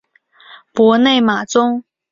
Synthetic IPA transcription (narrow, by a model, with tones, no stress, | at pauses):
pwɔ˧˥ne˥˩ɪma˨˩t͡sʊ˥ŋ